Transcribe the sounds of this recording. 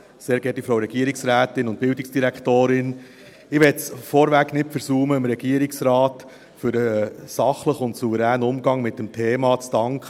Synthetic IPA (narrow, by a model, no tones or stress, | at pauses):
seːɾɡ̥ɛtifɾowɾɛɡ̥iəɾɪksɾæːtɪnʊnt̚pɪldɪksd̥iɾækχtoːɾɪn | ɪʋɛtsfɔɾʋæknɪtfəɾsuːməəmɾɛɡiəɾɪksɾɑːt | fʏɾəsɑχləχʊntsuvəɾæːnʊmɡɑŋmɪt̚dɛmtʰeːmɑːt͡sd̥ɑŋkχə